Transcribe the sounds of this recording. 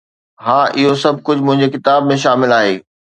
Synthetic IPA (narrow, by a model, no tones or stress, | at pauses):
ɦãːʔɪɦosɐb̚ʱkʊd͡ʑʱmʊ̃ɦɪ̃ɲd͡ʑekɪt̪aːbmẽʃ̬aːmɪlaːɦeː